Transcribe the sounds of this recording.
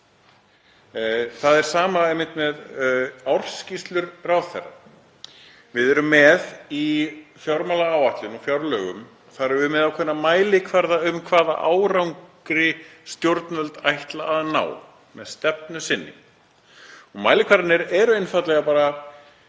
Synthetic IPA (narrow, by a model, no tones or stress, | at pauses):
θaðɛɾ̥saːmaɛjmːɪnt̪mɛðawr̥scist̪lʏɾrawðθɛ̰rːa̰ | vɪðɛɾʏmːɛðifjawɾmalaaːwaht̪lʏnɔfjawɾlœːɣʏ̰m | θaɾvʏmɛðakʰvɛnːamaːjlɪkʰvaɾðaʏmkʰvaːða̰ʔa̰ːwɾawŋk | ɾɪst̪jowɾt̪nœlt̪ajht̪laːðna̰ːw | mɛðst̪ɛp̚nʏsɪnːɪ̰ | ɔɣmaːjlɪkʰvaɾt̪nɪɾɛɾʏejnfat̪lɛɣapaːɾa